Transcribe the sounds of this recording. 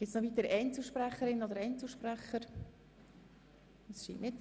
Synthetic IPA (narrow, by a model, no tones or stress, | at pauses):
ɡ̥ɪtsnɔʋit̪əɾɛɪnt͡suʃpræχəɾɪnod̪əɾɛɪnt͡suʃpræχəɾ | ɑsʃḭːnʔnɪt